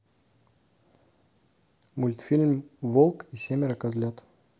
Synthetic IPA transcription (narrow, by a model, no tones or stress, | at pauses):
mulʲt̪filʲmvɔlˠkisʲɛmɛɾakazlʲat̪